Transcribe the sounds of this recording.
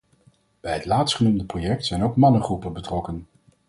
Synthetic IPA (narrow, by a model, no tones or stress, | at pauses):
b̥ɛjɦətlaːtstχənumdəprojɛk̚tsɛjnowkmɑnəχrupəbətrɔkən